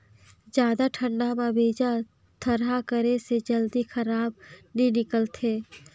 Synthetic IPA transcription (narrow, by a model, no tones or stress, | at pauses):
d͡ʒjaːd̪aʈʰə̃ɳɖamãbʱeːd͡ʒa | t̪ʰəɾɦakəɾesed͡ʒəld̪ixəɾaːbninɪkəlt̪ʰeː